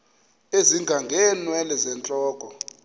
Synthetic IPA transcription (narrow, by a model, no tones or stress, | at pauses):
eziŋɡʱaŋɡʱɛːnwɛlɛzɛnt͡ɬʼɔːkʼɔ